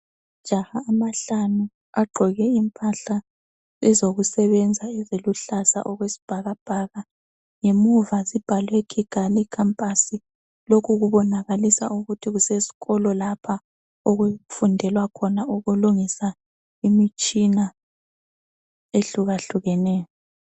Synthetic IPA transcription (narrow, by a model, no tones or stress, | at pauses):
d͡ʒ̥ʱahaːmaɬanu | aɡ͡ǃʱɔɣɛimpʰʼaɬa | ɛzoɣusɛβɛnd͡zʱaɛzeluɬasa̰ʔɔɣwesi̥b̥ʱaɣab̥ʱaːɣa | ŋemuvazib̥ʱalwekʰiɡ̥ʱalikʰampʼasi | lokʰuɣuβɔnaɣalisa̰ʔuɣutʰiɣusesi̥ɣɔlɔlapʰa | ɔɣweufundʱɛlwakʰɔnauɣuluŋisa | imit͡ʃʼina | eɬuɣaɬuɣɛnɛːjɔ